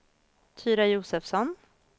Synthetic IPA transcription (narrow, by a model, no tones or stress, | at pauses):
t̪ʰyːɾajuːsɛfsɔn